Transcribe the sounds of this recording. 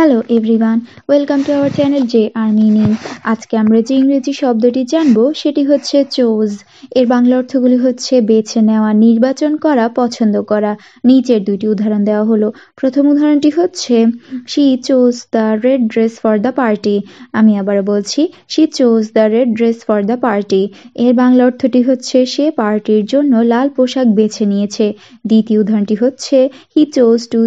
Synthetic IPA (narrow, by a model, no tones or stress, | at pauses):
hɛloʔebɾiwan | welkamʈuawaɾt͡ɕɛneld͡ʑeʔaɾminiad͡ʑkeamɾad͡ʑiiŋɡɾid͡ʑiʃɔb̚d̪oʈid͡ʑanboʃeʈiɦotːɕʰet͡ɕoz | eɾbaŋlaɔɾt̪ʰoɡuliɦotːɕʰebet͡ɕʰeneoaniɾbat͡ɕonkɔɾapɔt͡ɕʰond̪okɔɾa | nid͡ʑeɾd̪ujʈiud̪ʱːaɾond̪eoaɦolopɾot̪ʰomud̪ʱːaɾonʈiɦotːɕʰeʃit͡ɕosd̪aɾeɖɖɾesfɔɾd̪apaɾʈiamiɛbaɾobolt͡ɕʰi | ʃit͡ɕosd̪aɾeɖɖɾesfɔɾd̪apaɾʈieɾbaŋlaoɾt̪ʰoʈiɦotːɕʰeʃepaɾʈiɾd͡ʑonːolalpoʃak̚bet͡ɕʰeniet͡ɕʰe | d̪it̪ioud̪ʱːaɾoɳʈiɦotːɕʰehit͡ɕosʈu